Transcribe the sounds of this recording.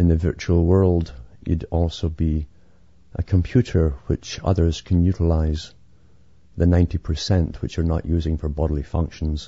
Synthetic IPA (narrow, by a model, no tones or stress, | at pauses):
ɨ̃nðɨvɜ˞t͡ʃuəl̩ˠwɜ˞lˠdɨ̰ɾɔlˠsobi | ʔə̰kʰə̃mpʰj̥ʉʔə˞wɪt͡ʃʌ̰ðə˞z̥kʰə̃n̩jʉʔəlˠaɪz | ðɨnãɪ̃ntipʰə˞sɛ̃nʔwɨt͡ʃə˞nə̰ʔjʉːzɪ̃ŋfə˞bɔɾl̩ˠifʌ̰̃ŋkʃə̃n̩z̥